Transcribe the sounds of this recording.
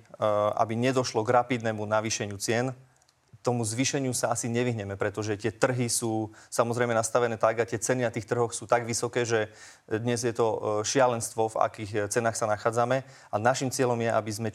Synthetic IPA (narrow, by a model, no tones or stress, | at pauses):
a̰biɲɛd̪ɔʃlɔɡɾapid̪nɛmunaʋiːʃɛɲɪut͡sɪɛn | t̪ɔmuzʋiʃɛɲɪusaasiɲɛʋiɦɲɛmɛpɾɛt̪ɔʒɛt̪ɪɛt̪r̩ɦisuːsamɔzɾɛɪmɛnast̪aʋɛnɛːt̪aɡat̪ɪɛt͡sɛninat̪iːxt̪r̩ɦɔxsuːt̪aɡʋisɔkɛːʒɛ | d̪ɲɛzjɛt̪ɔʃɪalɛnst̪ʋɔva̰kiːxt͡sɛnaːxsanaxaːd͡zamɛ | anaʃimt͡sɪɛʎɔmjɛa̰bizmɛ